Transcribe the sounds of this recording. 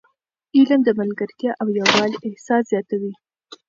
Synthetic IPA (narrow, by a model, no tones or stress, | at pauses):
ilamd̪əmalɡaɾt̪jɑʔawjawɑlʔɪhsɑszjɑt̪awi